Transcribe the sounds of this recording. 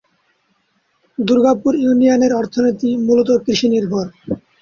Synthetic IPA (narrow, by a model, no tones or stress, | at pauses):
d̪uɾɡapuɾjunijaneɾɔɾt̪ʰonit̪imulot̪̬okɾiʃiniɾbʱɔɾ